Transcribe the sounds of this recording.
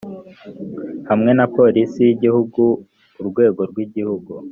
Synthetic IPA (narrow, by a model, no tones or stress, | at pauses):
hamŋe̞napo̞ɾisijiɟihuɡu | uɾɡwe̞ːɡo̞ɾɡwiɟihuɡu